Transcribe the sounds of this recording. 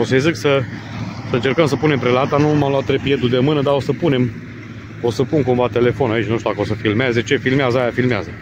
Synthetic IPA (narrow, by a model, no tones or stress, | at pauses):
o̞səjziksə | səɨnt͡ʃerkəms̬əpune̞mpɾelat̪anumamloat̪ːɾepje̞d̪ud̪emɨnəd̪ao̞səpune̞m | o̞səpuŋkuɱvat̪e̞le̞fo̞nait͡ʃnuʃt̪ud̪akəo̞səfilmeezeet͡ʃe̞filmeazəajafilmea̰zə